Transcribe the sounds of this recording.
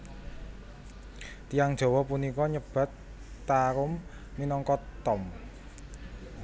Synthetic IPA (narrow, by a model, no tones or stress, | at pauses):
t̪ijaŋd̥ʒ̥ɔ̤wɔpunikɔɲəb̥a̤t̪ː | aɾʊmː | inɔŋkɔt̪ːɔm